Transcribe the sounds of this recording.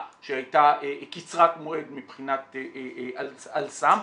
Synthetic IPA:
ʃehajtaʔekit͡sʁatmoedmipχinat̪eʔalalsam

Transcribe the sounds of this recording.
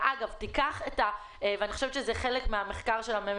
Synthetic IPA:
ʔaɡavtikaχeta | eveaniχoʃevt̪ʃezeχe̞lekmeameχkaʁʃelame

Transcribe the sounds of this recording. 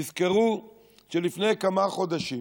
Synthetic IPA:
izkeʁu | ʃelifne̞jkamaχo̞d̪aʃi

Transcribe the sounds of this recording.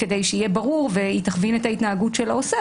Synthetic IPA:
ke̞de̞jʃeijebɐʁuʁvehit̪aχvinet̪ait̪naːɡutʃelaose

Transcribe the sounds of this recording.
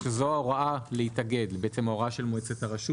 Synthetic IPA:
ʃezoaʁaaleit̪aɡe̞dlbeʔet͡semaoʁaʃelmoet͡set̪aʁaʃu

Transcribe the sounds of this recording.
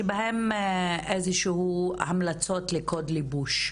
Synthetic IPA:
ebahemʔezeʃehuhamlat͡so̞tlekod̪libuʃ

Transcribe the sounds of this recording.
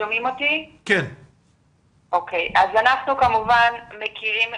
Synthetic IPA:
omimo̞t̪iken | ʔokejʔazanaχnukamuvanmekiʁim

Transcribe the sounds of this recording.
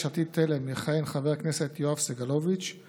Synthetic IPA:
at̪it̪ʰːelemiχaenχavekneset̪joafseɡalovit͡ʃ

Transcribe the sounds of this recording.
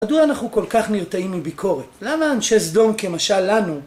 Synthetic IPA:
ad̪uaanaχnuko̞lkaχniʁt̪aimːibikʰo̞ʁet̪lamaːnʃezd̪o̞mke̞maʃalːanu

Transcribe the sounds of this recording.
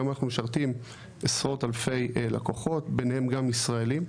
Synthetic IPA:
manaχnumeʃaʁt̪im | esʁo̞talfe̞jlakoχo̞tbenhe̞mɡamisʁae̞lim

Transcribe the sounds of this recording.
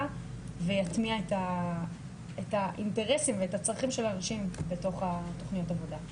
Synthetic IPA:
vejatmiaeta | etaʔinte̞ʁesimveetat͡sʁaχimʃe̞lanaʃimbe̞to̞χato̞χnijotavo̞da

